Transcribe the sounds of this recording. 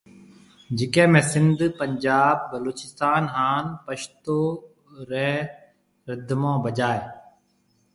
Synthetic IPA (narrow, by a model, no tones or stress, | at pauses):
d͡ʒɪkẽːmɛ̃ːsɪnd̪pəɲd͡ʒaːb̚ːəloːt͡ʃɪst̪aːnɦaːnpəʃt̪oː | ɾɛː | ɾɪd̪ʱmõːbəd͡ʒaːeː